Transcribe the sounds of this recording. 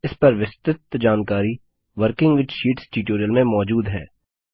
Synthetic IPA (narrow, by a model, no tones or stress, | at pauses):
ɪspɐɾʋɪst̪ɪt̪d͡ʒaːnkaːɾi | ʋəɾkɪ̃ŋɡʋɪt͡ʃʃiːʈsʈiːʈoːɾijəlmẽmɔːd͡ʒuːd̪ɦɛ̰ː